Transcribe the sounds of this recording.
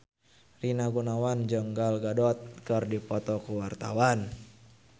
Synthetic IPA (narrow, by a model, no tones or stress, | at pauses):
rinaɡunawand͡ʒəŋɡalɡadɔt̪̚kɨrdipɔt̪ɔkuwart̪a̰wan